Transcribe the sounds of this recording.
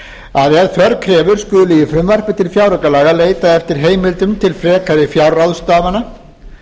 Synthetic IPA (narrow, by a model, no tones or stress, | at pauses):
aðɛðfœɾkʰɾɛːvʏɾ̥skʏðʏlɪːjɪfɾʏmvar̥pɪt̪ʰɪlfjawɾʏkalaːɣaleːjt̪aɛft̪ɪɾ̥ɦeːjmɪlt̪ʏmt̪ʰɪlfɾɛːkaðɪfjawrawðst̪aːvana